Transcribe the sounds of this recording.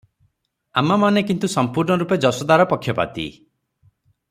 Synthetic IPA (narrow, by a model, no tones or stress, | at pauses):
amamanekint̪usɔmpuɾɳɔɾuped͡ʒɔsɔd̪aɾɔpɔkʰjɔpa̰t̪ḭ